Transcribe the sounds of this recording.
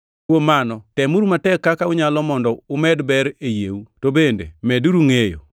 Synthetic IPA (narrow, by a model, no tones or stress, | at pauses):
womanɔtɛmuɾumatɛkːakaʊɲalɔmɔndɔʊmɛdbɛɾejḛutobendḛmɛduɾuŋejo̰